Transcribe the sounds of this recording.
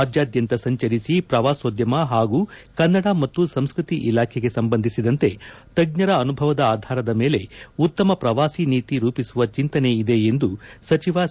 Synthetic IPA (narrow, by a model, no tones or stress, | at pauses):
aːd͡ʒjaːd̪jɐnt̪ɐsɐɲt͡ʃɐɾisipɾɐʋaːsoːd̪jɐmɐɦaːɡuːkɐnːɐɽɐmɐt̪ːusɐmskɾut̪iʔilaːkʰeɡe̞sɐmbɐnd̪ʱisid̪ɐnt̪e̞ | t̪ɐɡ̚ɲɐɾɐːnubʱɐʋɐd̪ɐaːd̪ʱaːɾɐd̪ɐme̞ːle̞ut̪ːɐmɐpɾɐʋaːsiniːt̪iɾuːpisuʋɐt͡ʃint̪ɐne̞id̪e̞end̪usɐt͡ʃiʋa